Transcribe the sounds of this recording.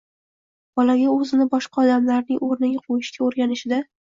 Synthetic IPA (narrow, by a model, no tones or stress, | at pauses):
b̥ɒlaɡʲaɵzɪnɪbɒʃqɑɒd̪amlaɾnɪŋoɾnɪɡʲaqʰojɪʃɡʲaoɾɡʲanɪʃɪd̪a